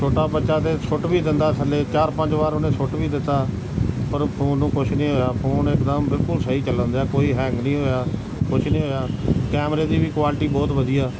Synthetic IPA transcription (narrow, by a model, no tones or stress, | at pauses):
t͡ʃʰoːʈaːbətːʃaːd̪eːsʰʊʈbiːd̪ɪnd̪aːt̪ʰəleːt͡ʃaːɾpəɲd͡ʒʋaːɾʊnẽːsʊʈʋiːd̪ɪt̪ːaː | pəɾʰʊnũːkʊt͡ʃʰnĩːɦoːjaːpʰʊnɪkd̪aːmbɪlkʊlsəɦiːt͡ʃələ̃nd̪aːkoːiːɦɛ̃ːŋɡnĩːɦoːjaː | kʊt͡ʃʰnĩːɦoːjaːkɛːmɾeːd̪iːbiːkwaːlʈiːbɔːt̪bəd̪iːaː